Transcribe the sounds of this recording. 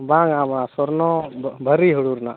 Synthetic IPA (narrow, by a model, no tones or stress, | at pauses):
bãŋabasɔɾnɔbʱəɾiɦuɽuɾna̰